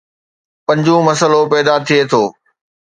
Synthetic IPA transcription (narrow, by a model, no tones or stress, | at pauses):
pɐ̃ɲd͡ʑũmɐsəlopɛːd̪at̪ʰiet̪ʰoː